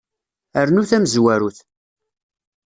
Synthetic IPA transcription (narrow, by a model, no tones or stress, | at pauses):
əɾnuθæməzwæɾuθ